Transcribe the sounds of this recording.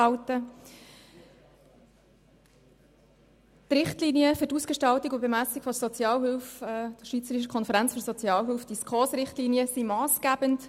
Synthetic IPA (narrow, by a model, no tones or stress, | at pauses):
ɑʊtə | trɪχtliniəfɵtuːsɡ̥eʃtɑltikʊbemæsikfɔsɔt͡sjɑːlɦʏlfɛd̥ʃʋiːt͡səɾiʃ̬əkʰɔnfəɾænt͡sfyɾsɔt͡sjɑːlɦʏlfd̥iskχɔsɾɪχtliːniəsimɑːsɡ̥æbənt